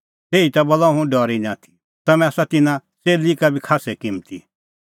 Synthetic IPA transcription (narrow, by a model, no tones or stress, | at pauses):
t̪eːit̪abɔlaɦũɖɔːɾinãːt̪ʰi̥ | t̪ɐmɛ̃aːsat̪ɪnãseːlikabʱikʰaːsɛkɪ̃mt̪ḭ